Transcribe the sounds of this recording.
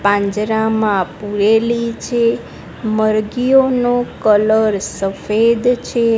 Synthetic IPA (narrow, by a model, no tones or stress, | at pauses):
pãɲd͡ʒɾamãpuɾelit͡ʃʰe | məɾɡijonokələɾsəfed̪t͡ʃʰe